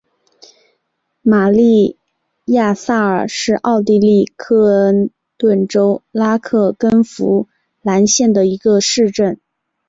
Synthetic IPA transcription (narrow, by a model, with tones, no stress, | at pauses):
ma˨˩li˥˧ | ja˥˧sa˥˩ə˞˨˩ʂɻ̩˥˧ʔɑ˥˧ʊt̪i˥˧li˥˧kʰɤ˥˩ə˥n | t̪wə˥˩nʈ͡ʂo˥ʊla˥kʰɤ˥˩kə˥nfu˧˥ | la˧˥nɕjɛ˥˩nd̪ə˩i˧˥ɡə˧ʂɻ̩˥˧ʈ͡ʂə˥˩n